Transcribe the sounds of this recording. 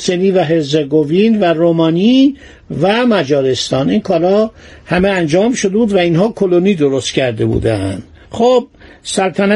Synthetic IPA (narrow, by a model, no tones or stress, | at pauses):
seniːvæɦezeɡovinværomɒːni | væmæd͡ʒɒːɾest̪ɒːninkʰɒːɾɒː | hæmeænd͡ʒɒːmʃod̪ebuːd̪væinɦɒːkʰoloniːd̪oɾost̪cʰæɾd̪e̞bṵːd̪ænd̪̥ | χob̥̚ | sælt̪ʰænæ